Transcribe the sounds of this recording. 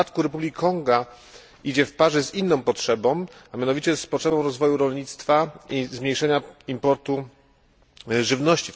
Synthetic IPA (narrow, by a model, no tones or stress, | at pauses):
at̪kuɾɛpublʲikʲkːɔŋɡa | ʔid͡ʑɛfpaʐɛzinːɔ̃w̃pɔtʂɛbɔ̃w̃amʲjanɔvʲit͡ɕɛspɔtʂɛbɔ̃w̃ɾɔzvɔjuɾɔlɲit̪st̪faizmʲɲejʂɛɲaimpɔɾt̪u | ʐɘvnɔɕt͡ɕi